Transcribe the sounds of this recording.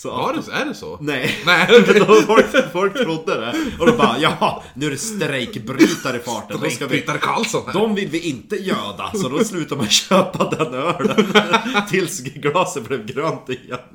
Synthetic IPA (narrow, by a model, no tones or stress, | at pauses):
sɔdæɖɛsɔ̰nɛnɛfɔlkfɔlk̚t̪ʰɾʊd̪ːəd̪ɛɔd̪ɔb̪ɑːjɑːnʉæɾɛst̪ɾɛjkbɾyːt̪aɾɪfɑːʈəskvt̪ːaɾkʰa̰lsɔnd̪ɔmvɪlvɪʔɪnt̪əjøːd̪a̰sɔd̪ɔslʉ̟ːt̪aɾmajɕøːpad̪ɛnːœːɖənt̪ʰɪlsɡlɑːsəblɛvɡɾœnt̪ɪjɛn